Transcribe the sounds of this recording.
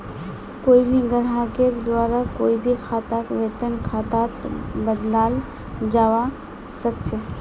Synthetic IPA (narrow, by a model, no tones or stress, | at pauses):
koibʱiɡəɾɦaked̪waɾakoibʱikʰat̪akʋet̪ənkʰat̪at̪bəd̪lal | d͡ʒawa | səkt͡ʃʰe